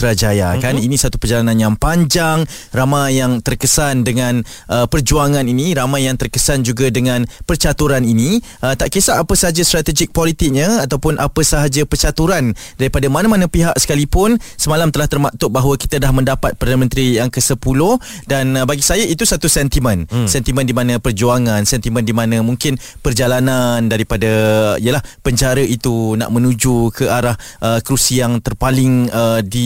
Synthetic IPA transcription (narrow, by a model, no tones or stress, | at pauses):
t̪əɾad͡ʒajakaninisat̪u̥pərd͡ʒalanãnjaŋpaɲd͡ʒaŋ | ramajaŋt̪ərkəsandəŋãn | ʔəpərd͡ʒuaŋãniniɾamajjaŋt̪ərkəsand͡ʒuɡadəŋãnpərt͡ʃat̪uɾanini | ʔət̪aʔkesaʔapəsəɦad͡ʒast̪ɾat̪ɛd͡ʒɪk̚pɔlit̪ɪk̚ɲəat̪awpʊnʔapəsəɦad͡ʒapərt͡ʃat̪uɾandaɾipadamanamanəpiɦaʔsə̥kalipʊnsəmalamt̪əlaht̪ərmaʔt̪ʊʔ̚baɦwəki̥t̪adahmə̃ndapat̪̚pərdanəmə̃nt̪ɾijaŋkəsəpulo | danbaɡisajaʔit̪usat̪usɛnt̪imə̃nsɛnt̪imə̃ndimãnə̃pərd͡ʒuaŋãnsɛnt̪imə̃ndimãnə̃mũŋkɪnpərd͡ʒalanandaɾipadəijəlahpəɲt͡ʃaɾəʔit̪una̰ʔmə̃nud͡ʒukʰəʔaɾahʔəkɾusijaŋt̪ərpalɪŋədi